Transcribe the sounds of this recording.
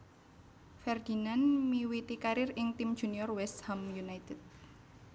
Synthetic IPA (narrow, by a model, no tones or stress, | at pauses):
fɛrd̪̥i̤nanmiwit̪ikaɾɪrɪŋt̪imd̥ʒ̥ṳniɔrwɛst̪hamjunajt̪ɛt̪̚